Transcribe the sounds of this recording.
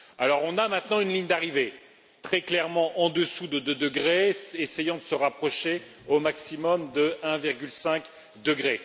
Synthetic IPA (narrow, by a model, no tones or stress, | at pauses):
alɔʁɔ̃namɛ̃t̪nɑ̃ynliɲd̪aʁive | t̪χɛklɛʁmɑ̃ʔɑ̃d̪əsud̪əd̪əd̪əɡʁeesejɑ̃d̪əsəʁapχɔʃe | omaksimɔmd̪əɛ̃viʁɡʲylsɛ̃k | d̪əɡʁe